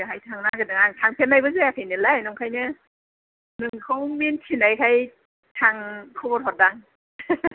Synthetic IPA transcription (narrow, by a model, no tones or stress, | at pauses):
ɯɦajtʰaŋnaɡɯdɯŋaŋtʰaŋpʰenːajbɯzeakʰajnɯlanɔŋkʰajnɯ | nɯŋkʰɯwmentʰinajkʰaj | tʰaŋkʰɯbɔɾhɔt̚daŋ